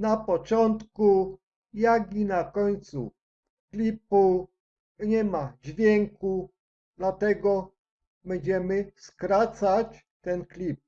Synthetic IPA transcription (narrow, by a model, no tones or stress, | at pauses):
napɔt͡ʂɔnt̪ku | jaɡinakɔɲt̪sṵ | klʲipu | ɲɛmad͡ʑvʲjɛŋku | d̪lat̪ɛɡɔ | bɛɲd͡ʑɛmɘskɾat̪sat͡ɕ | t̪ɛnklʲip̚